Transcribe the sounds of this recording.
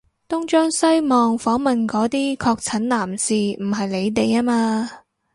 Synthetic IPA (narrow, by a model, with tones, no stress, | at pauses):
t̪ʊ˥ŋt͡ʃœː˥ŋsɐ˥jmɔː˨ŋfɔː˨˥ŋmɐ˨nkɔː˨˧˥t̪iː˥kʰɔː˧k̚t͡sʰɐ˨˥nnaː˨˩msiː˨˩m̩˨˩ɦɐ˨jle˨˧jt̪e˨jaː˥maː˧